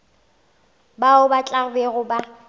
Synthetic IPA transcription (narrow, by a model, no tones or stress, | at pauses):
baʊbat͡ɬʼaʊbeɣʊba